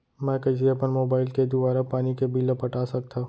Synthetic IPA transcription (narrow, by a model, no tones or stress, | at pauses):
mɛ̃ːkɐd͡ʒiepənmoːbaːɪlked̪ʊbaːɾapaːnikebʱiləpɐʈaːsɐk̚t̪ʰaː